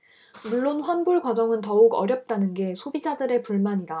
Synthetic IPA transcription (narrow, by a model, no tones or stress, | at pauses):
muɭːonɸwanbuɭɡwad͡ʑʌŋɯntʌuɡʌ̰ɾjʌp̚t͈anɯnɡe̞sʰobid͡ʑadɯɾe̞puɭmaɲida